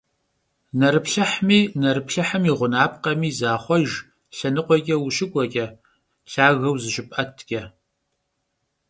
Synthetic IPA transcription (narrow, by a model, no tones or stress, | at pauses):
nɐɾɨpɬɐħmiːnɐɾɨpɬɐħəmiːʁʷʊnaːp̚qɐmiːzaːχʷɔʒ | ɬɐnɨqʷɔkʲʼɛwuʃɪkʷʼɔkʲʼɐ | ɬaːɣɐwzɨʃɪpʼʔɐtʰɡʲʼɐ